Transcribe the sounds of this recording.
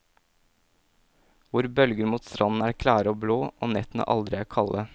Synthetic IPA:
ʋʊɾbœlɡəɾmuːt̪st̪ɾɑnn̩æːɾkʰlɑːɾəoːbloːʔo̰ːnɛt̪ən̩ə̰ʔɑ̰ld̪ɾɪæːɾkʰɑlʔə

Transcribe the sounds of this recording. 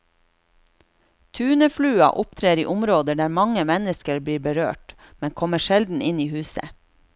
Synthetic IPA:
t̪ʰʉːnəflʉːɑ̰ʔʊp̚t̪ʰɾeːɾḭːʔʊmɾoːd̪əɖæːɾmɑŋəmɛnəskəɾbliːɾbəɾø̰ːʈ | mɛnkʰɔməʃɛld̪n̩ɪniːhʉːsə̰

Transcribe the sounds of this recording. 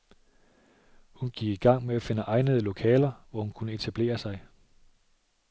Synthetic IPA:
hunɡ̥iɡ̥iɡ̥ɑ̈ŋ̰meæfe̝nəʔɑ̈ɪnəð̩ˠəlo̝kʰɛːlɐʋɒhunkʰunəe̝t͡sʰæb̥le̝̰ːɐsɑ̈ɪ

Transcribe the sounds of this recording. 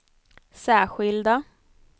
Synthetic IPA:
sæːɧɪld̪a

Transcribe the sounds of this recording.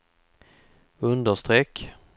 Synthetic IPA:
ɵnd̪əʂt̪ɾɛːkː

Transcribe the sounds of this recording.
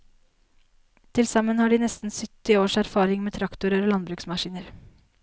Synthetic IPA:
t̪ʰɪlsɑmənhɑːɖiːnɛst̪n̩sœt̪ːɪoːʂæɾfɑːɾɪŋmeːt̪ʰɾɑkt̪ʊɾəɾoːlɑnbɾʉːksmɑʃiːnəɾ

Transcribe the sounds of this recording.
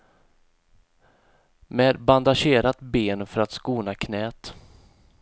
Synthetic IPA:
mɛːd̪band̪aʂeːɾat̪beːnfœɾat̪skuːnakʰnɛːt̪

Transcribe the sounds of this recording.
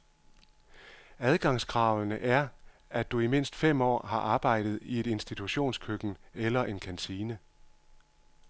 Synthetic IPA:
æð̞ˠɡ̥ɑ̈ŋskʰʁɑ̈ʊnəʔæɐ | æd̥uime̝n̰sd̥fem̰ɒ̰ːhɑ̈ʔɑ̈ːb̥ɑ̈ɪ̰d̥ð̞̩ˠie̝d̥e̝nsd̥it͡sʰuɕo̝̰ːnskʰøɡ̥n̩elɐʔe̝nkʰænt͡sʰiːnə

